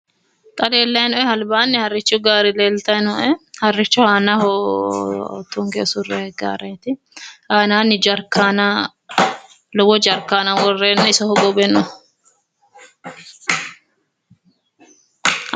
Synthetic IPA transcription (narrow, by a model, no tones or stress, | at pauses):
t̪ʼɐleːlːɐjnɔʔɛhɐlbaːnːɪhɐrːɪt͡ʃːʊɡaːɾɪleːlt̪ɐjnɔʔɛhɐrːɪt͡ʃːɔhaːnɐhɔ̰ | t̪ːuŋɡḛːsʊrːɛɡa̰ːɾɐt̪ɪ | haːnaːnɪd͡ʒɐɾkːaːnɐ | lɔwɔd͡ʒɐɾkːaːnawɔrːeːnːɛɪsɔhɔɡɔbɛnɔ